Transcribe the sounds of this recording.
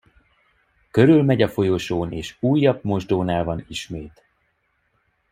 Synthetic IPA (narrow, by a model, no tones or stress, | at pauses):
kø̞ɾylmɛɟɒfo̞joʃoːneːʃuːjːɒb̚mo̞ʒd̪oːnaːlvɒniʃmeːt̪